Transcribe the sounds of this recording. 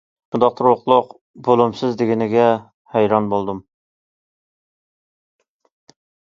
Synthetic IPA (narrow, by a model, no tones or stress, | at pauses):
ʃund̪ɑq̚t̪ʰɨɾwʊqlˠʊq | bolˠumsɨzd̪ɪɡʲɪnɪɡʲɛ | hæjɾɑnbolˠd̪um